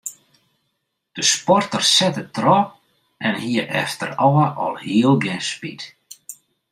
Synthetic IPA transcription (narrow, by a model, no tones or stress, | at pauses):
d̪̥əspɔrt̪ər̥sɛt̪ət̪ɾɔp | ɛnhiʔɛ̰ft̪əɾɔwaʔɔ̰lˠhiəlˠbjɛnspḭt̪